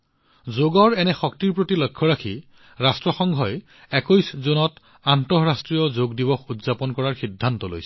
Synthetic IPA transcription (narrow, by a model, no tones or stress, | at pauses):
zoɡɔɹɛnɛxɔktiɹpɹotilɔjkʰːɔɹakʰi | ɹastɹɔxɔŋɡʱɔj | ɛkojszonɔt | antɔɹastɹijɔzoɡdibɔxudzapɔnkɔɹaɹxidʱːantɔlo̰jsɛ̥